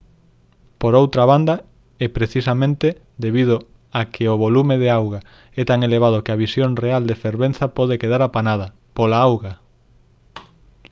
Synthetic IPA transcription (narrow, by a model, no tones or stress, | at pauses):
poɾowt̪ɾaβand̪ɐ | ɛpɾeθisamẽnt̪e | d̪eβið̞ʊ | akʰeoβolumeðeawɣa | ɛt̪aŋeleβað̞okɪaβisjoŋreald̪efeɾβen̟θɐpɔð̞ekeðaɾapanaðɐ | polaawɣa